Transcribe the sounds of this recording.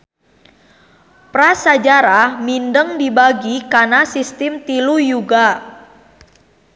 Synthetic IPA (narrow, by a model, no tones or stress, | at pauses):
pɾasad͡ʒaɾahmindəŋdibaɡikanasist̪ɪmt̪ilujuɡa